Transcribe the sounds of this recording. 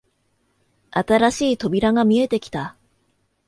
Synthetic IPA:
at̪aɾaɕiːt̪o̞bʲiɾaŋamʲie̞t̪e̞kʲi̥t̪a

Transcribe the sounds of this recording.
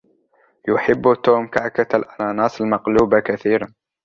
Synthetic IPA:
jʊħɪbːt̪ːuːmkaʕkat̪lʔanaːnɑːsˤalmaqluːbakaθiːɾan

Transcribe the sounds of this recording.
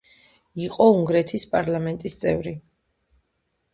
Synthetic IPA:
iqʼɔuŋɡɾɛt̪ʰispʼaɾlˠamɛnt̪ʼist̪sʼɛ̰vɾi

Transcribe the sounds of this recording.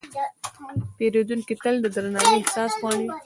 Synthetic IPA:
t̪eɾed̪unkit̪əld̪əd̪ɾanɑneɪhsɑsxwɑɳi

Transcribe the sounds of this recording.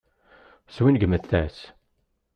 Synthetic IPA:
swinɡəməθθæs

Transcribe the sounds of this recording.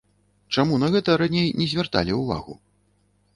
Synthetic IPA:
t͡ʂamun̪ɐɣɛt̪ɐɾanʲejnʲɛzʲvʲart̪a̰lʲiuva̰ɣṵ

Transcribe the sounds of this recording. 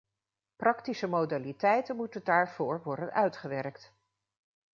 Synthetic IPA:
prɑktisəmowdalitɛjtənmutəndaːɹv̥oːɹʋɔɹdənœɥtχəʋɛrkt

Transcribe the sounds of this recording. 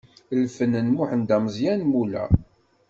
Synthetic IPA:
lfənənmʊħənd̪æməzjænmulæ̰

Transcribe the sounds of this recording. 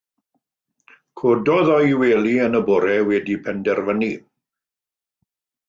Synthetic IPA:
kʰodɔðɔjweːlˠiənəbɔɾɛwɛdipʰɛndɛrvəni

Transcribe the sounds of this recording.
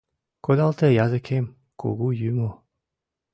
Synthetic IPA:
kod̪alt̪ɛjazɨkʰem | kʰo̰ɡujymo

